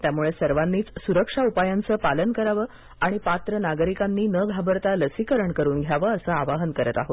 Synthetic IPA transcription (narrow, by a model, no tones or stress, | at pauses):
t̪jamuɭesəɾʋanːiːt͡ssuɾəkʂaupajant͡səːpalənkəɾaʋəː | aɽ̃ipat̪ɾənaɡəɾikanːiːnəɡʱabəɾt̪aləsikəɾəɳkəɾuːnɡʱjaʋəːsəaʋaɦənkəɾət̪aɦot̪